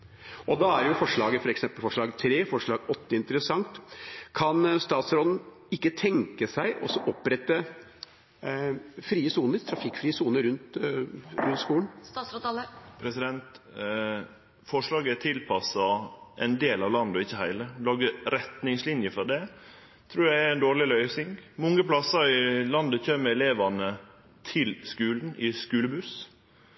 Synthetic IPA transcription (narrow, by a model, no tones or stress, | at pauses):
ʔɔd̪ɑæɾjʊfɔʂɭɑːɡəfɔɾɛksɛmpəlfɔʂɭɑːɡt̪ʰɾeːfɔʂɭɑːɡɔt̪ːəɪnt̪əɾəsɑŋt̪kʰɑnst̪ɑːt̪sɾɔd̪n̩ | ɪkːət̪ʰɛŋkəsæɪʔɔ̰sːɔʔɔpːɾɛt̪ːə | fɾiːəsuːnəɾt̪ʰɾɑfɪkːfɾiːəsuːnəɾʉnt̪ | ɾʉnt̪skuːln̩spʰɾɛsɪd̪ɛnt̪ | fɔʂɭɑːɡət̪ʰɪlpʰɑsɑʔɛnd̪eːlɑʋlɑnd̪ɔɪçːəhæɪləlɑːɡəɾɛt̪nɪŋslɪnjəfɔd̪ɛ | t̪ʰɾʉːdæɪæɛnd̪oːɭɪlœʏsɪŋmɔŋːəpʰlɑsəɾɪlɑnd̪əçøːməɛleːʋɑnə | t̪ʰɪlskʉːln̩ɪskʉːləbʉs